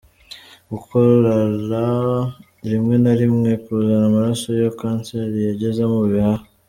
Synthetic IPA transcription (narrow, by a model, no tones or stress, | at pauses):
ɡukʰoɾaɾa | ɾimŋe̞naɾimŋe̞kuuzanamaɾaso̞jokaːnseɾijaɟe̞zemuβihaho